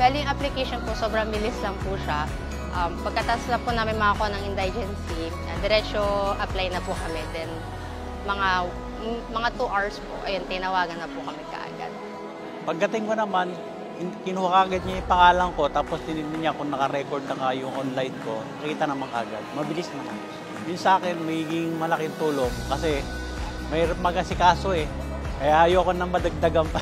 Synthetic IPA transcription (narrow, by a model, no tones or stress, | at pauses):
b̥ɛljʊŋʔɐplɪkejʃonposo̞ːbɾɐŋbɪlɪslɐŋpuʃa | ʔɐmpɐɡ̚kɐt̪aslɐpʊnamɪnmɐʔɐkonɐŋʔɪnd̪ald͡ʒɛnsi | ɐd̪ɛɾɛt͡ʃoʔɐplajnɐpʊkɐmɛd̪ɛn | mɐŋa | mɐŋat̪uʔaɹspo̰ʔɐ̰jont̪ɪnɐwaːɡɐnːɐpʊkɐmɛkɐ̰ʔa̰ɡa̰d̪̚ | pɐɡ̚ːɐt̪ɪŋkonɐman | ɪkɪnʊwɐkaːɡɐd̪̚ɲajʊpɐŋaːlɐŋko̞t̪aːpo̞st̪ɪninɪɲakʊŋnɐkɐɾɛkoɹd̪ɐkajʊŋʔonlajnko̞nɐkiːt̪ɐnɐmaŋkɐ̰ʔɐɡad̪̚mɐbɪlɪsnɐka | jʊnsɐʔaːkɛnmɐɡiːɡɪŋmɐlɐkɪnt̪uːlo̞ŋkɐsɛ | mɐhiːɾɐp̚mɐɡɐsɪkaːso̞ɛ | kɐjahɐjoːɐkonɐŋmːɐd̪ɐɡ̚d̪ɐɡam